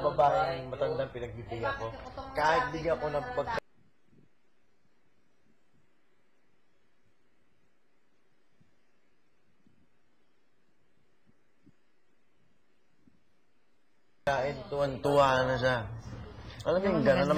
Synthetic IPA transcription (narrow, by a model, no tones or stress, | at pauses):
babaːʔɪʔɐŋmɐt̪ɐnd̪aŋpɪnɐɡ̚bibɪɡaɐko̞kaːhɪt̪̚lɪɡɐko̞nɐpɐɡ̚k | aːʔɪnt̪ʊwant̪ʊwaːnɐʃa | ʔɐlaŋŋɡɐnanɐ